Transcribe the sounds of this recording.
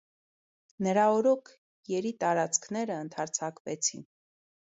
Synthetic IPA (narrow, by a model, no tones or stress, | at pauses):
nəɾɑɔɾɔkʰ | jɛɾit̪ɑɾɑt͡sʰkʰnɛɾəənt̪ʰɑɾt͡sʰɑkvɛt͡sʰḭn